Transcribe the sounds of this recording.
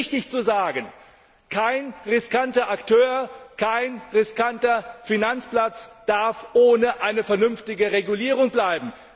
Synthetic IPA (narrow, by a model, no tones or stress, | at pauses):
çtɪçt͡suzaːɡən | kʰaɪnʁɪskantɐʔaktʰøːɐkʰaɪnʁɪskantɐfinant͡splat͡sd̥aɐfʔoːnəʔaɪnəfɛɐnʏnftɪɡəʁeɡuliːʁ̞ʊŋblaɪbm̩